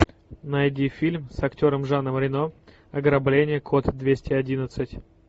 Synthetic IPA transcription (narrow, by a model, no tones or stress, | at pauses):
nɐjdʲifʲilʲmsɐktʲo̞ɾəmʐanəmɾʲɪno | ɐɡɾɐblʲenʲɪjəkʰot̪d̪vʲesʲtʲɪɐdʲinət̪sɨtʲ